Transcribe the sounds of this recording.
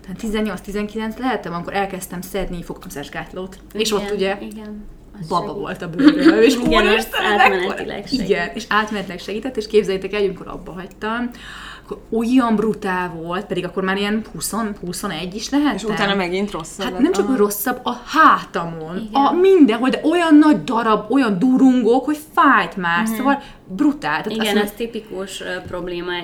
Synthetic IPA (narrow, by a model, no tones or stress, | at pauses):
t̪aːt̪t̪izɛnːo̞lst̪izɛŋkilɛnt̪slɛɦɛt̪ːɛmɒmiko̞ɾʔɛlkɛst̪ɛmsɛd̪nifo̞kt̪ɒmsɛʒɡaːt̪loːt̪ | eːʃo̞t̪ːuɟɛɡn | bɒbɒvo̞̰lt̪ɒbømeːʃoɾet̪ɛmɛnɛḭlɛ̰iɡɛneːʃaːt̪mɛnɛt̪ilɛkʃɛɡiːt̪ɛt̪ːeːʃkeːbzɛjɛt̪ɛkɛljɒmikoɾɒ̰bːɒɦɒct̪ɒm | kːoɾo̞jːɒmbrut̪aːlvo̞lt̪̚pɛd̪iɡɒkːo̞rmaːɾijɛnhuso̞nhuso̞nɛɟːiʃlɛɦɛt̪ʃut̪aːnɒmɛɡint̪rosːhat̪nɛmt͡ʃɒro̞sːɒbːɒhaːt̪ɒmo̞nɒmind̪ɛnɦo̞ld̪ɛʔo̞jɒnːɒɟd̪ɒɾɒbo̞jɒnd̪uɾuŋɡo̞kho̞cfaːjt̪maːrssoːvɒl | brut̪aːlt̪ːisɛnːɛst̪ipikuʃpro̞bleːma